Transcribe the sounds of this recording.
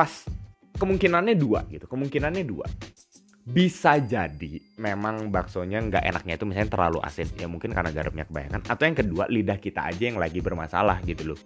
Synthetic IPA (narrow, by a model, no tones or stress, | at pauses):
pas | kəmuŋkinanɲadua̰ɡit̪u̥kəmuŋkinanɲadua̰ | bisad͡ʒadi | memaŋbaksoɲaŋɡa̰ʔḛnak̚ɲait̪umis̬alɲat̪ərla̰luʔa̰sɪnjamuŋkɪnkarnaʔɡaɾəp̚ɲakəba̰ja̰kanat̪awjaŋkədua̰lidahkit̪a̰a̰d͡ʒajaŋlaɡibərmasa̰lahɡit̪ulʊ